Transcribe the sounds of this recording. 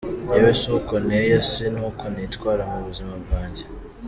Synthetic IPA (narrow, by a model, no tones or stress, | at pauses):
newesokonejosenuːkonitwaːɾamuβuzimabɡaːɲɟe